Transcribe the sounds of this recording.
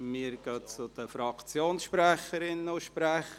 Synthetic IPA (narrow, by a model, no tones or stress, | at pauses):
miːəɾɡ̥œːt͡sʊd̥̪əfɾɑkt͡sjoːnsʃpɾɛχəɾɪnʊʃpɾɛχə